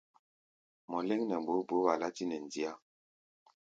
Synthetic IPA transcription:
mɔ˨le˦ŋnɛ˨m˨bo˨˦bo˨˦ba˨la˦ti˦nɛ˨n˨di˦a˦˨

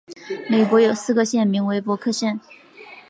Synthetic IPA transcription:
me˨˩ɪkwɔ˧˥jo˨˩ʊsɹ̩˥˩ɡə˨˧ɕjɛ˥˩nmi˧˥ŋwe˧˥ɪpwɔ˧˥kʰɤ˥˧ɕjɛ˥˩n

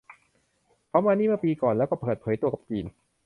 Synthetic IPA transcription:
pʰɔ˦˥maː˧niː˥˩mɯ˥˩piː˧kɔː˨˩nlɛː˦˥wkɔː˥˩pʰɤː˨˩t̪pʰɤː˩˦jt̪u˧ɐka˨˩p̚t͡ɕiː˧n

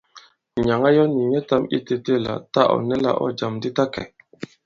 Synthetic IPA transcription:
ɲa˨ŋa˦jɔ˦ni˨ɲɛ˦ta˦mḭ˦te˦te˦˨la̰˨ta˦ʔɔ̰˨nɛ˦la̰˦ʔɔ̰˦d͡ʒa˨mdi˦ta˦kɛ̰˨

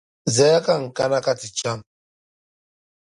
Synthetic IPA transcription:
zɛ˨˦ja˦ka˦ŋ̩˨ka˦na˦ka˦ti˨t͡ʃa˦m

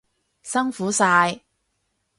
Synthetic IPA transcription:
sɐ˥ŋfuː˨˥saː˧j

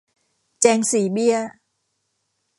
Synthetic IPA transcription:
t͡ɕɛː˧ŋsiː˩˦bi˥˩ə

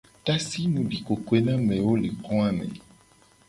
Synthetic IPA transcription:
ta˦si˦nũ˨bi˨ko˨kwe˦nã˦mɛ̃˨wo˦le˨kɔ̃˦a˦mɛ̰̃˨

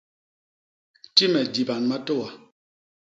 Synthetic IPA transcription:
ti˦mɛ˨di˨ba˨nma˦to˦wa˨

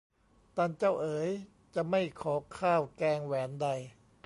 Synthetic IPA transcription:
t̪aː˧nt͡ɕa˥˩wʔɤː˩˦j | t͡ɕa˧˩ma˥˩jkʰɔː˩˦kʰaː˥˩wkɛː˧ŋwɛː˩˦nda˧j

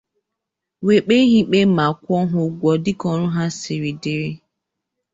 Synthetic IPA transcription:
we˨k͡pe˦ɦi˦k͡pe˦ma˨kʷɔ˦ɦʊ˦ɡʷɔ˨dɪ˦kɔ˨ɾʊ˦ɦa˦sɪ˨ɾi˨dɪ˦ɾɪ˦

